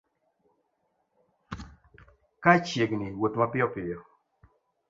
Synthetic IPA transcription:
kat͡ʃjeɡniwotmapɪɔpɪjɔ

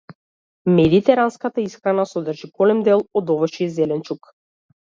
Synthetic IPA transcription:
mɛd̪it̪ɛɾanskat̪aisxɾanasɔd̪rʒiɡɔlɛmd̪ɛlˠɔd̪ɔvəʃizɛlɛnt͡ʃuk

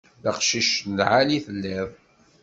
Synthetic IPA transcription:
ðəqʃiʃnəlʕaliθəlːɪðˤ

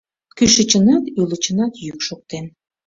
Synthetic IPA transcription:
kyʃət͡ɕənɑt̪ylət͡ɕənɑt̪jykʃok̚t̪en

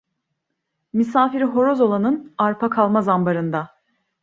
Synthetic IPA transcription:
misaːfiɾɦo̞ɾo̞zo̞lˠanɯnaɾpʰakʰalˠmazambaɾɯnd̪a

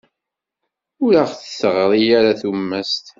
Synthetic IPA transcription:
ʊɾaʁθəsəʁɾˤijaɾaθumːæst̪

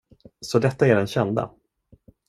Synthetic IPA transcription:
sɔd̪ɛt̪ːaæɖɛnɕɛnd̪a̰

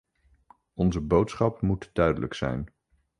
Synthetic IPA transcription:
ɔnzəbowtsχɑpmutdœɥdələksɛ̰jn

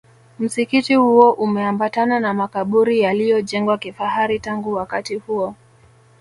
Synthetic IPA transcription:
m̩sikitihuɔʔumɛambatananamakaɓuɾijalijɔʄɛŋɡwakifahaɾitaŋɡuwakatihuɔ

